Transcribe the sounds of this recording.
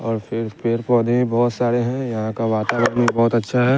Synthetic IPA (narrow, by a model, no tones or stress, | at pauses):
ɔːɾpʰɪɾpeːɾpɔ̃ːd̪eĩbɔːt̪saːɾeɦɛ̃jɐɦãkaʋaːt̪aːʋəɾnibɔːt̪ɐtːʃʰaɦɛ